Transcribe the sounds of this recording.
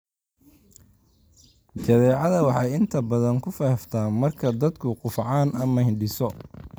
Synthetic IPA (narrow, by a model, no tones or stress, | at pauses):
t͡ʃɐðɛːʕɑðɐwɑħɑjɪnt̪ʰɐbɐðɐŋkʰʊfɐhft̪ʰaːmɐrkʰɐd̪ɐd̪kʰʊqʊfʕɑːnɐmɐhɪɳɖɪsɔ